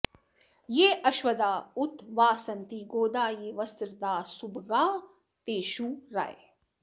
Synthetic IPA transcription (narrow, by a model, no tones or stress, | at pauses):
jeːʔɐʃʋɐd̪aːʊt̪ʋaːsɐnt̪iːɡoːd̪aːjeːʋɐst̪ɾd̪aːsubɡaː | t̪eːʃũːɾa̰ḛ